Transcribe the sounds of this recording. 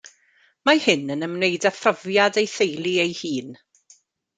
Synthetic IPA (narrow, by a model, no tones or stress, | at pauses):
mahɪnənəmnejdafrɔvjadejθejlˠiejhiːn